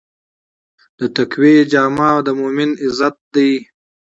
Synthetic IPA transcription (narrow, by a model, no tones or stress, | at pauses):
d̪̥ət̪akwed͡ʒɑːmɑːd̪əmomɪnɪzat̪̚d̪aj